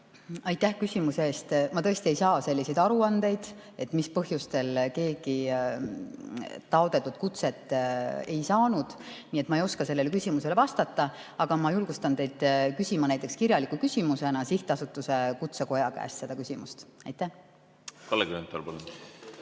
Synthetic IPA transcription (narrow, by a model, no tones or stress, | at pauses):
ɑjt̪ˑːæhkysʲimuseeːst̪mɑt̪ɤ̞est̪iejsɑːse̞lʲːise̞jd̪̥ɑɾuɑnd̪̥e̞jd̪̥e̞t̪ːˑmispɤ̞ɦjust̪e̞lke̞ːɡi | t̪ɑod̪̥e̞t̪ːut̪̚kut̪se̞t̪ːˑe̞jsɑːnud̪̥niːe̞t̪ːˑmɑejo̞skɑse̞lːe̞lekysʲimuse̞le̞vɑst̪ɑt̪ːˑɑ | ɑɡ̥ɑmɑjulɡ̥ust̪ɑnt̪e̞jd̪kysʲimɑnæjt̪ːˑekskirjɑlikːˑukysʲimuse̞nɑsiht̪ɑsut̪ːˑuse̞kut̪se̞ko̞jɑkæ̰ːst̪se̞d̪̥ɑkysʲimust̪ɑjt̪ˑːæh | kɑlːeɡɾent̪ːˑo̰lpɑlun